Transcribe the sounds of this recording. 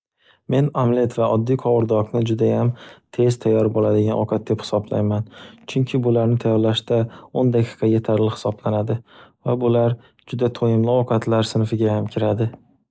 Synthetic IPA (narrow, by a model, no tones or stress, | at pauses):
me̞namle̞t̪vaʔɒd̪ːijqʰɒwʊɾd̪ɒqnɪd͡ʒʊd̪ajamt̪ʰe̞z̥t̪ʰajːɒɾbolad̪ɪɡʲanʔɒqʰɑt̪̚d̪e̞phɪ̥sɒbla̰jmant͡ʃʰʊŋkʲʰɪbʊlaɾnɪt̪ʰajɒɾlaʃd̪aond̪akʰi̥qʰɑje̞t̪ʰaɾlɪhɪ̥sɒblanad̪ɪvabʊlaɾ | d͡ʒʊd̪at̪ʰojɪmlɪɒqʰɑt̪laɾsɪnfɪɡʲajamkʲʰɪɾad̪ɪ